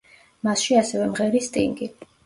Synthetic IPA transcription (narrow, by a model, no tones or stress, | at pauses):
masʃiasɛvɛmʁɛɾist̪ʼḭŋɡi